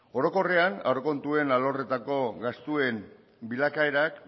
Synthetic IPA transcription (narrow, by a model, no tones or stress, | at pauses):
o̞ɾo̞ko̞re̞ana̰wɾoko̞nt̪ue̞nalo̞re̞t̪ako̞ɣast̪ue̞m | bilakaeɾak